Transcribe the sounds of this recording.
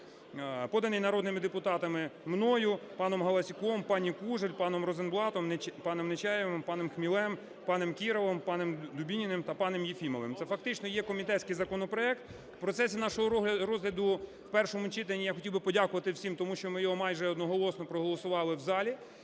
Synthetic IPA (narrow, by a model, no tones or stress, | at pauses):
pɔd̪ɐnɪjnɐɾɔd̪nɪmɪd̪epʊt̪ɑt̪ɐmɪmnɔjʊpɑnɔmɦɐlˠɐsʲikɔmpɑnʲikuʒelʲpɑnɔmɾɔzenblˠɑt̪ɔmnpɑnemnet͡ʃɛjɛʋɪmpɑnemxmʲilˠɛm | pɑnemkʲiɾɔʋɔmpɑnemd̪ʊbʲinʲinɪmt̪ɐpɑnemjifʲimɔʋɪmt̪sɛfɐk̚t̪ɪt͡ʃnɔjɛkɔmʲit̪ɛtʲt͡sʲsʲkɪjzɐkɔnɔpɾɔɛk̚t̪ | pɾɔt̪sɛsʲinɑʃɔɦɔlʲɾɔzɦlʲɐd̪ʊ | wpɛrʃɔmʊt͡ʃɪt̪enʲːijaxɔtʲilˠbɪpɔdʲakʊʋɐt̪ɪwsʲimt̪ɔmuʃt͡ʃɔmɪjɔɦɔmɑjʒɛɔd̪nɔɦɔlˠɔsnɔpɾɔɦɔlˠɔsʊʋɑlˠɪwzɑlʲi